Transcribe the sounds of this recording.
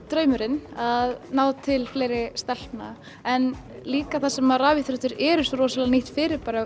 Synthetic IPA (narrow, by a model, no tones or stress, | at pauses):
t̪ɾœːɥmʏɾɪnaðnaːwt̪ʰɪlfleːjɾɪst̪ɛl̥pna | ɛn | liːkaθasɛmaraːviθɾœht̪ʏɾɛɾʏsɔɾɔːsalaniht̪fɪːɾɪɾpaːɾa